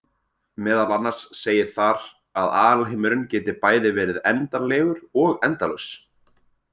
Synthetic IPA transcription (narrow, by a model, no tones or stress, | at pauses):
mɛːðalanːaɾ̥sːeːjɪɾ̥θaɾ | aða̰ːɾalɦɪmʏɾʏncɛːt̪ɪɾpaːjðɪvɛːɾɪðɛnt̪anlɛːɣʏɾɔɣɛnt̪alœs